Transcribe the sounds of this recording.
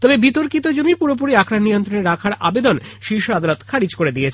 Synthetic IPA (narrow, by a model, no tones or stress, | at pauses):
t̪ɔbebit̪oɾkit̪od͡ʑonipuɾop̬oɾiakʰɾanːijont̪ɾoneɾːakʰaɾa̰bed̪onʃiɾʃoad̪alot̪kʰaɾid͡ʑkoɾed̪iet͡ɕʰ